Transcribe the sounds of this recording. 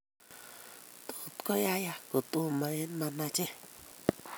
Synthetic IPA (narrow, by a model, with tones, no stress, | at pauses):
t̪u˨t̪ko˦ja˦ja˧ku˨t̪u˧mã˧e˦nmã˧nã˧t͡ʃẽ˦